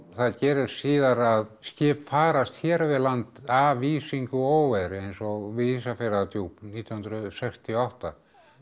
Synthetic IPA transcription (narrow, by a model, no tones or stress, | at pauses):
θaðcɛːɾɪssiːðaɾaðscɪːpfaːɾast̪çɛːɾvɪðlant̪aːviːsiŋkʏoːwɛðɾejnsɔɣviisafɛɾat̪juwniːt̪jnhʏnɾʏsɛkst̪ʰɪɔaht̪a